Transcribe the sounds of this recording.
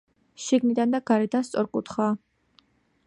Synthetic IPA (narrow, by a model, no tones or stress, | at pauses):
ʃiɡnid̪and̪aɡ̥aɾɛd̪anst̪sʼɔɾkʼṵt̪χaː